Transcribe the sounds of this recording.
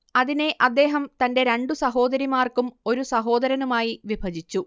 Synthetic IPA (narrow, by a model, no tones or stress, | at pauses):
ɐðine̞ʔɐd̪ːe̞ːɦɐmt̪ɐnde̞ɾeɳɖusɐɦo̞ːd̪ɐɾimaːrkumo̞ɾusɐɦo̞ːd̪ɐɾɐnumaːjiʋibʱɐd͡ʑit͡ɕːu